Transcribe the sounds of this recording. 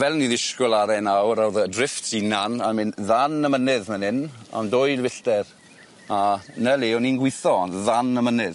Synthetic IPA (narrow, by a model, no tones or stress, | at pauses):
vɛlˠniðɪʃkʊlˠaɾɛnawɾawðədrɪftʰinanamɪnðanəmənɪðmənɪna̰mdoːjlvɪɬd̥ɛr | anəleːɔninɡwɪθɔnðanəmənɪð